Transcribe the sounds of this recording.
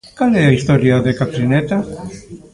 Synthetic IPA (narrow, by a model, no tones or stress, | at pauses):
kaleaist̪oɾjaðekat̪ɾinet̪a